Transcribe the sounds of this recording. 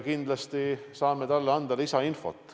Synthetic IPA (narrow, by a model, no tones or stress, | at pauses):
kind̪̥lɑst̪isɑːme̞t̪ɑlːeɑnd̪̥ɑlisɑinfo̞̰t̪ːˑ